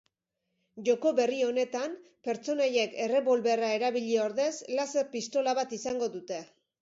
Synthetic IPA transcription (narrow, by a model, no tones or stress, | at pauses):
ʝo̞ko̞βe̞rione̞t̪ampe̞ɾt͡so̞naje̞ke̞re̞βo̞lβe̞rae̞ɾaβiʎioɾðe̞slasepist̪o̞laβat̪isaŋɡo̞ðut̪e̞